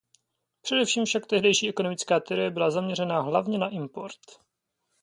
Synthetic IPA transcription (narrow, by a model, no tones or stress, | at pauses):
pr̝̥ɛdɛfʃiːmfʃakt̪ɛɦdɛjʃiːʔɛko̞no̞mɪt͡skaːt̪ɛɾojɛbɪlazamɲɛrɛnaːɦlavɲɛnaʔɪmpo̞ɾt̪